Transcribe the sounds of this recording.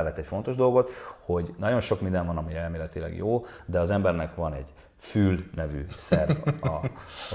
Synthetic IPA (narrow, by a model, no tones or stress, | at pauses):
lːɛt̪ːɛcfo̞nt̪o̞ʒd̪o̞lɡo̞t̪ho̞ɟnɒɟo̞nʃo̞kmind̪ɛnvɒnɒmiɛlmeːlɛt̪ilɛ̰ɡjoːd̪ɛɒzɛmbɛrnɛkʋɒnɛɟ | fyːlnɛvy̰ːsɛrvɒ